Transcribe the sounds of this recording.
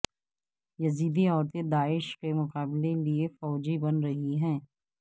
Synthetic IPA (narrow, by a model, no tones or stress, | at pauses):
jɐziːd̪iɔːɾt̪ed̪aːɪʃkemʊqaːbleliefɔːd͡ʒibɐnɾɐɦiɦɛ̃ː